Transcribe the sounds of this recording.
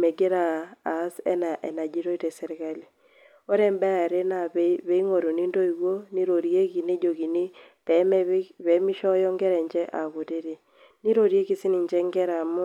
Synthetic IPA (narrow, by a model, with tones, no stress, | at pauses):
me˨ɡe˦ɾa˨a˨˦sɛ̰˦na˨ʔe˨na˨d͡ʒi˦ɾo˦i˦tɛ˨sɛ˦ɾɪ˦ka˦li˨ | o˦ɾɛ˦mbɛ˦a˨ɾe˦na˨βe˦i˦ŋo˨ɾo˨ni˦ndo˦i˨ɣo˦ni˦ɾo˨ɾi˦e˦ki˨ne˦d͡ʒo˨ki˨ni˦ | tɛ˨˦βɛ˨˦mi˦ʃɔ˦jɔ˦ŋɡɛ˦ɾɛ˨ɲd͡ʒɛ˦ʔa˨ɣu˨te˦ɾi˨ | ni˦ɾo˨ɾje˦ki˦sɪ˦ni˨ɲd͡ʒɛ˦ŋɡɛ˦ɾa˨mʊ˦